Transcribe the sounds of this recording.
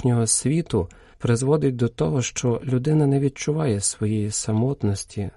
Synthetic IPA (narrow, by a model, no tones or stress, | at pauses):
nʲɔɦɔsʲʋʲit̪ʊ | pɾɪzʋɔd̪ɪt̚ʲd̪ɔt̪ɔɦɔʃt͡ʃɔlʲʊd̪ɪnɐnɛʋʲid̪̚t͡ʃʊʋɑjɛsʋɔjɛjisɐmɔt̪nɔsʲtʲi